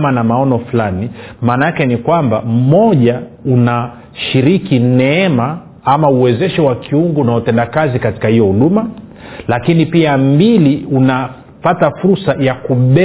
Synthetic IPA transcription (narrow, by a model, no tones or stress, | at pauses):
manamaɔnɔflanimaːnaakɛnikwamba̰m̩mɔʄauna | ʃiɾikinɛɛma | amauwɛzɛʃɛwakʰiuŋɡɔnautɛndakazikati̥kahijɔhuɗumalakinipiambiliuna | patafuɾsajakuɓɛ